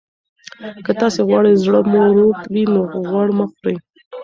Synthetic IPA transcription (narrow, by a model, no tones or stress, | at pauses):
kət̪ɑseɣwɑɽejzɽəmoɾot̪winoɣwɑɽmaxɾaj